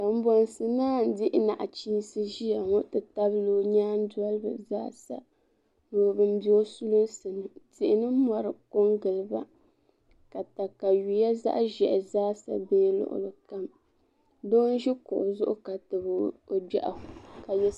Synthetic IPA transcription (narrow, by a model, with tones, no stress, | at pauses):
a˨m̩˦bɔ˦nsɨ˨naː˦n̩˦dɪ˦ʔɪ˦na̰˨ʔa˨t͡ʃiː˦sɨ˦ʒi˦ja˨ŋo˦tɨ˨ta˦blo˦ɲaː˦n˦du˦a˦lɨ˦bɨ̰˨za̰ː˦sa̰˦ | noː˨bɨ˦m˦bi˦o˦su˦lʊ˦nsɨ˨nɨ˨tɪ˨ʔɪ˨nɨ˦mɔ˨ɾɨ˨ko˦ŋɡɨ˨lɨ˨ba̰˦ | ka˨ta˨ka˨ju˨ja˦za̰˦ʔʒɛ˨ʔzaː˦sa̰˨beː˦lʊ̰˨ʔʊ̰˨lɨ˨ka˦m | doː˦n˦ʒi˦kʊ˨ʔʊ˨zʊ˦ʔʊ˦ka˨tɨ˨bo˨bɛ̰˨ʔa˨ka˨jɛ˦